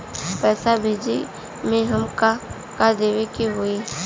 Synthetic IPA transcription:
pɛːsabʱeːd͡ʒi | mẽɦɐmka | kad̪eːwekiɦʊi

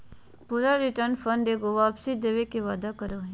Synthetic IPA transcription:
puːɾaɾiʈəɾnfʰənɖ̪eɡoʋaːpsid̪eːʋekeʋaːd̪akəɾoɦ

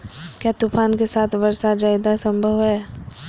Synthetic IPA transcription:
kjaːt̪upʰaːnkesaːt̪ʰʋɐɾsad͡ʒaːjd̪asə̃mbʱəʋɦɛː

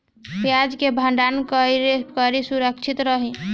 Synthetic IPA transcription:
pjad͡ʒkebʱə̃ɳɖankəɾekəɾisuɾəkt͡ʃʰit̪ɾəɦi

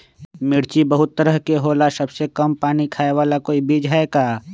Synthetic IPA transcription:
mɪɽt͡ʃibəɦʊt̪ːəɾəɦkeɦoːlasɐbsekɐmpaːnikʰaːeʋaːlakoːibʱiːd͡ʒɦaekaː

